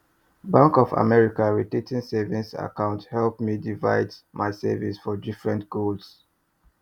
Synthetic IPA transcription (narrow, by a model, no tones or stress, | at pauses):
bãŋkɔva̰mɛɹikaɹitetĩnsɛvĩsa̰kãʊ̃nthɛlpmidiva̰ɪdmʔaɪsɛ̰visfɔdifɹɛ̃ntɡ̥olds